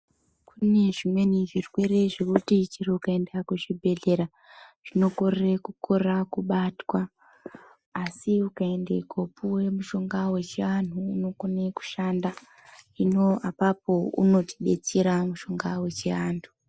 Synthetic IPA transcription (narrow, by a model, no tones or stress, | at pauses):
kʰune̞ʐimwe̞niʐirwe̞ɾe̞ʐe̞kutit͡ʃiriukae̞ndakuʐibʱe̞ɮe̞ɾa | ʐ̥ino̞ko̞rerekukʰo̞rakuɓatwa | siukae̞ndekopuwe̞muʃo̞ŋɡawe̞t͡ʃeʋan̤uːno̞kone̞ku̥ʃanda | ino̞apapoṵno̞ti̥ɓe̞t͡seɾamuʃo̞ŋɡawe̞t͡ʃeʋaːntʰu̥